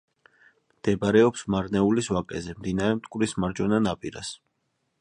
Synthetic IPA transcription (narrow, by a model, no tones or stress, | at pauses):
d̪̥ɛbaɾɛɔpsmaɾnɛuliswakʼɛ̰zɛmd̪inaɾɛmt̪ʼkʼwɾismaɾd͡ʒɔnanapʼiɾa̰s